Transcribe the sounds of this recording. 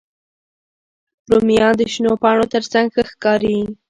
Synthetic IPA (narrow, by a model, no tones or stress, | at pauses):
ɾomijɑd̪əʃnopɑɳot̪əɾsaŋɡxəxkɑɾii